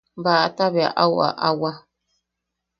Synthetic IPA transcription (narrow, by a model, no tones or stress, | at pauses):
baataba̰ʔawa̰ʔawa